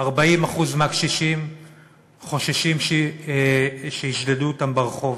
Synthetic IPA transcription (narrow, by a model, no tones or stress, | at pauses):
aʁbaimaχuzmakʃiʃim | χo̞ʃeʃimʃe | ʃeiʃdeduotambeʁχo̞v